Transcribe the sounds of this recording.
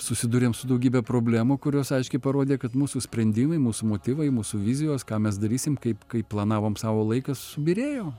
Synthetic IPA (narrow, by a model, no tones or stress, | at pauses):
sʊsʲɪd̪uːɾʲeːmsʊd̪ɐʊɡʲiːbʲɛpɾoːbʲlʲæːmukʊɾʲoːsɐɪʃʲkʲɛɪpɐɾoːd̪ʲeːkɐt̪muːsusʲpʲɾʲɛnʲd̪ʲɪːmɐɪmuːsʊmoːt̪ʲiːʋɐɪmuːsʊʋʲɪzʲɪjoːskɑːmʲɛs̬d̪ɐɾʲiːsʲɪmkɐɪpkɐɪpplˠɐnɑːʋoːmsɑːʋoːlˠɐɪkɐsʊbʲiɾʲeːjoː